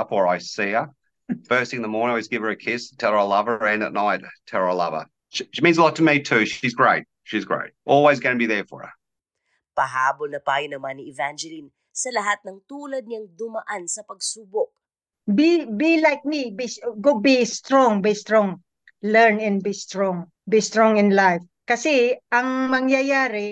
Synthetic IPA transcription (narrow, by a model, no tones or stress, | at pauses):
ʌpwə˞aɪsiə | fɜ˞stɪ̃n̩ðəmɔɹnɪ̃ŋawɪzɡɪv̥ə˞ɨkʰɪstʰɛlˠaəlʌvəɹɛ̃nə̰tⁿnaɪttʰɛlˠəlʌ̰və̰˞ | ʃiʃimĩnzəlɔtʰəmitʰʉʃizɡɹeɪt̚ | ʃizɡɹḛɪt̚ʔɔlˠwezɡʌnəbiðəfə̰ɹə̰ | pɐɦaːbolnɐpaːjʊnɐmaniɪvand͡ʒɛlin | sɐlɐɦat̪̚nɐŋt̪uːlɐd̪̚ɲɐŋd̪ʊmɐʔansɐpɐɡsuːbok̚ | bibilajk̚mibisɡobist̪ɹɔŋbist̪ɹɔŋ | lɛɹnɛ̃nbist̪ɹɔŋ | bist̪ɹɔŋɪ̃nlajf | kɐsɛʔɐŋmɐŋjɐjaːɾɪ